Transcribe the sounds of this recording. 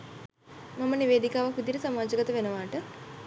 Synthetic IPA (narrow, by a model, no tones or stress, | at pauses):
maməniʋeːd̪ikaːʋɐkʋid̪iɾisamaːd͡ʒəɡɐt̪əʋenəʋaːʈə